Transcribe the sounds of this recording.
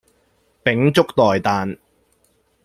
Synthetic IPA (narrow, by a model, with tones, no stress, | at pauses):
pɪ˨˥ŋt͡sʊ˥k̚t̪ɔː˨˩jt̪aː˨n